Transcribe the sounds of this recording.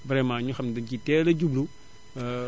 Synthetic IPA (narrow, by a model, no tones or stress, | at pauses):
bɾɛmaːɲuxɐmdɐcitɛːlɐɟublu